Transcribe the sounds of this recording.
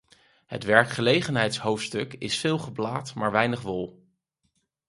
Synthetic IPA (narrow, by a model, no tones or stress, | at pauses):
ɦə̰tʋɛɹkχəlejχənɦɛjtsɦowftstɵkɪsfɪːlˠχəblaːtmaːɹʋɛjnəχʋʊlˠ